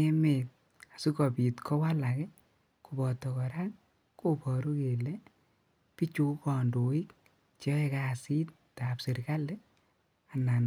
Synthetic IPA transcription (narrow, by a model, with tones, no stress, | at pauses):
e˦me˨t̚ | a˨su˦kɔ˨pi˨tkʰɔ˦wa˦la˨kɛ˦ | ku˨bɔ˨tɔ˨kɔ˨ɾa˦k | ko˦pɔ˨ɾu˦ke˨le˦ | pi˦t͡ʃu˦kkɔ˨ndo˨i˦k | t͡ʃɔ˦ɛ˨ka˦si˦t̚ | ta˨pse˨ɾka˦le˦ | a˨na˨n